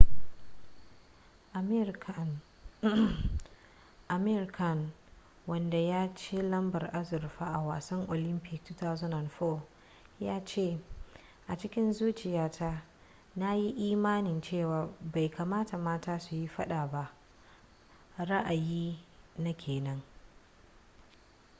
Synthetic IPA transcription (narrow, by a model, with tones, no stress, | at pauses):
ʔa˨me˦ɾkʰɐ˨n | wɐ˦nda˨jaː˦t͡ʃeː˦lɐ˦mbɐ˨rʔa˦zʊ˨rɸaː˦ʔa˨waː˨sɐ˦ŋʔo˨lɪ˦mpɪ˨ktta˦zo˦na˨nɸo˦ | jaː˦t͡ʃeː˦˨ | ʔa˨t͡ʃɪ˦kʲɪ˦nzuː˦t͡ʃɪ˨jaː˦tʰa˦ | na˦ji˦ʔiː˦maː˦nɪ˨nt͡ʃeː˦˨waː˨ba˨jka˨maː˦ta˨maː˦taː˦su˨ji˦ɸɐ˦ɗa˨ba˦ʔ | ɾa˦ʔa˨jiː˦na˦kʲʰeː˨nɐ˦ŋ